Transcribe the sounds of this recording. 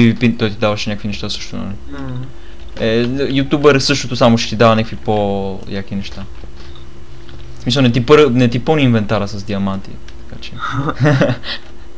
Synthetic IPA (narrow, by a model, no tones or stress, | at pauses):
ivipit̪ɔjt̪id̪avɐʃɛnʲakəkvinɛʃt̪asɤ̥ʃt̪o̰nɐ̰li | ɛjut̪ʲjubɛɾsɤʃt̪ot̪osamot͡ʃɛ̥t̪id̪avənʲakfipo | jakinɛʃt̪a | smisəlˠnɛt̪ipəɾnɛt̪ipəniinvɛnt̪aɾəsɐzd̪iɐmant̪ḭ | t̪ɐ̥kat͡ʃɛ